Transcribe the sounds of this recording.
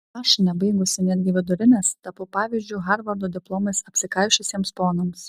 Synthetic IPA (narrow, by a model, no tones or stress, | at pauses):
ɑːʃʲɪnʲɛbɐɪɡʊsʲɪnʲɛd̪ʲɡʲɪʋʲɪd̪ʊɾʲɪnʲest̪ɐpʊpɑːʋʲiːzʲd͡ʒʲuːɣɑɾʋɐɾd̪oːd̪ʲɪplˠoːmɐɪsɐpʲsʲɪkɐɪʃʲʊsʲiɛmspoːnoːms